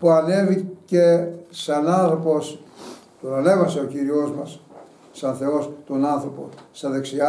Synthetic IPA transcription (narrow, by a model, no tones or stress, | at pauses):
puɐne̞vicesɐnɐnθɾo̞po̞s | t̪oɐne̞vɐseociɾio̞zmɐs | sɐnθe̞o̞st̪onɐnθɾo̞po̰st̪ɐðeksiɐ